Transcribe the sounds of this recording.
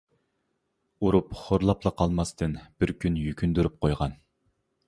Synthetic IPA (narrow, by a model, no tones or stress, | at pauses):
uɾupχoɾlˠɑplˠɑqʰɑlˠmɑst̪ʰɨnb̥ɪɾkʲynjykʲynd̪yɾyp̚qʰojʁɑn